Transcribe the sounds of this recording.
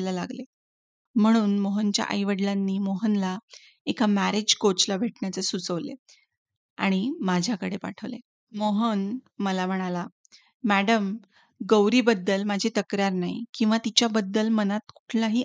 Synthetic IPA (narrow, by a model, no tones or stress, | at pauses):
lalaɡle | m̤əɽ̃uːnmoɦənt͡ɕja̰ʔa̰jʋəɽlanːiːmoɦənla | ekʰamæɾed͡ʑkot͡slabʱeʈɳjat͡səsut͡səʋlḛ | a̰ɽ̃imad͡ʑʱjakəɽepa̰ʈʰəʋlḛ | moɦən | məlam̤əɽ̃ala | mæɽəm | ɡəwɾiːbəd̪ːəlmad͡ʑʱet̪əkɾaɾnaɦḭkĩw̃ʋat̪it͡ɕjabəd̪ːəlmənat̪ku̥ʈʰlaɦiː